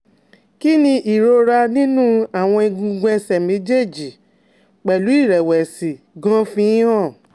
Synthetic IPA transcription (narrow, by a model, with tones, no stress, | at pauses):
ki˦nĩ˧ʔi˨ɾo˧ɾa˧nĩ˦nũ˦a˦˨w̃ɔ̃˧i˧ɡũ˧ɡɛ̃˧sɛ˨mẽ˨˦d͡ʒe˦˨d͡ʒi˨ | k͡pɛ˨lu˨˦i˦˨ɾɛ˨wɛ˨si˨ | ɡɔ̃˦fĩ˧˦ã˦˨